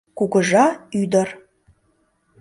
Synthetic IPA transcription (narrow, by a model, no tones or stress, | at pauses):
kuɣəʒɑyd̪ə̆r